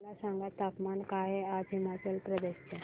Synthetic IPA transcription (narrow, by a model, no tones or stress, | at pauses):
lasaŋɡat̪ːapmankaɦead͡zɦimat͡ɕəlpɾəd̪eɕt͡ɕe